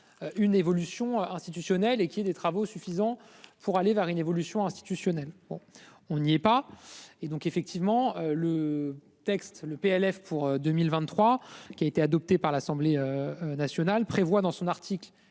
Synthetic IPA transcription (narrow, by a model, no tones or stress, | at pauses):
øʔynevɔlysjɔ̃øɛ̃st̪it̪ysjɔnɛlekʲiɛd̪et̪χavosyfizɑ̃ | pʰuʁalevɛʁynevɔlysjɔ̃ɛ̃st̪i̥t̪ysjɔnɛlbɔ̰̃ | ɔ̃niɛpaed̪ɔ̃kefɛk̚t̪ʰivmɑ̃ølə | t̪ɛkst̪ləpeɛlɛfpuʁød̪ømilvɛ̃t̪ːχwakʲiaet̪ead̪ɔp̚t̪epaʁlasɑ̃bleønasjɔnalpχevwad̪ɑ̃sɔ̃naʁt̪ʰikl